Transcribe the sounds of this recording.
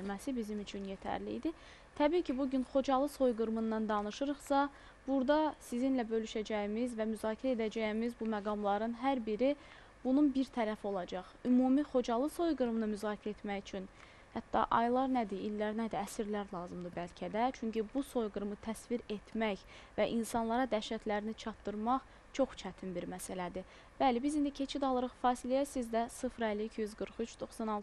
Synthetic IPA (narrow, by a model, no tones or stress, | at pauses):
lmæsibizimyt͡ʃʰynje̞t̪ʰæ̰ɾlḭid̪i | t̪ʰæbiːcʰibuɟynχo̞d͡ʒɑlˠɯso̞jɡɯɾmɯnːɑnd̪ɑnɯʃɯɾɯχsɑ | b̥uɾd̪ɑsizinlæbø̞lyʃæd͡ʒæjimizvæmyzɑːcʰiɾæed̪æd͡ʒæjimizbumæɡɑmlˠɑɾɯnɦæɾbiɾi | b̥ununbiɾt̪ʰæɾæfio̞lˠɑd͡ʒɑχymuːmiχo̞d͡ʒɑlˠɯso̞jɡɯɾmnɯmyzɑːcʰiɾæet̪mæjyt͡ʃʰyn | hæt̪ːɑ̰ʔɑ̰jlˠɑɾnæd̪iːlːæɾnæd̪iæsiɾlæɾlˠɑːzɯmd̪ɯbælcʰæd̪æt͡ʃʰyɲcʰibuso̞jɡɯɾmɯt̪ʰæsviɾe̞t̪ʰmæç | væʔinsɑnlˠɑɾɑd̪æʃæt̪ʰlæɾinit͡ʃʰɑt̪ːɯɾmɑχ | t͡ʃʰo̞χt͡ʃʰæt̪ʰinbiɾmæsælæd̪i | b̥ælibizind̪icʰe̞t͡ʃʰid̪ɑlˠɯɾɯχfɑːsilijæsizd̪æsɯfɾælːiːcʰijyzɡɯɾχyt͡ʃd̪o̞xsɑnɑlˠ